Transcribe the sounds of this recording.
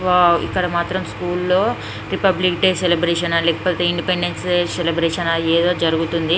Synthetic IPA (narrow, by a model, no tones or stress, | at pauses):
aːḭkːɐɽɐmaːt̪ɾɐmskuːlːo̞ː | ɾipɐblikɖeːselibɾeːʃɐnɐlɛːkɐ̥poːt̪e̞iɳɖipeɳɖenseselibɾeːʂɐnɐeːd̪o̞ːd͡ʒɐɾuɡut̪und̪i